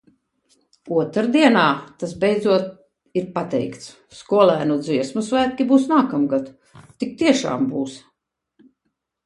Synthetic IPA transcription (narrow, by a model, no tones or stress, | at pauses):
uɔt̪ɾad̪iɛnaːt̪as̬bɛjd̪zuɔt̪̚ | iɾpat̪ɛ̰jkt̪s | skuɔlˠæːnud̪ziɛsmusvæːt̪̚ʲkʲibuːsnaːkamɡat̪ | t̪ik̚t̪iɛʃa̰ːmbuːs